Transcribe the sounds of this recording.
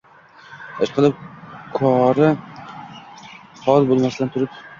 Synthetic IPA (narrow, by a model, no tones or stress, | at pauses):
aʃqʰɨlˠɪp̚kʰɒɾɪ | hɒlˠbolˠmasɪlant̪ʰʊɾɪp